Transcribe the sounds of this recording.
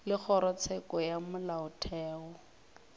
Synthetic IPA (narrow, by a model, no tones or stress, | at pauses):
lɪk͡xʰɔɾɔt͡sʰɛkɔjamʊlaʊtʰɛːɔ